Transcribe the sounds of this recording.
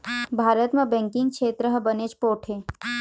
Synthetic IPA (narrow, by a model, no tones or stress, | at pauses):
bʱaːɾət̪mẽbɛ̃ːŋkɪ̃ŋɡ̚kʃʰeːt̪ɾəɦəbəneːt͡ʃpoːʈʰeː